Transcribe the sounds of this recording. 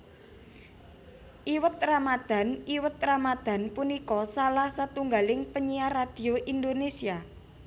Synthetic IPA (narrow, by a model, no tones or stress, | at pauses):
ʔiwət̪̚ramad̪̥a̤niwət̪̚ramad̪̥a̤npunikɔsalahsat̪uŋɡalɪŋpəɲiarad̪̥i̤oʔind̪onesia